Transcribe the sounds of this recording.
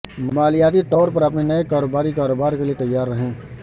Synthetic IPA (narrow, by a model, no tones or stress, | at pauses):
mɐmaːlijaːt̪iʈɔːɾpɐɾɐp̬nenɐekaːɾoːbaːɾikaːɾoːbaːɾkeliet̪ɐjːaːɾːəɦẽː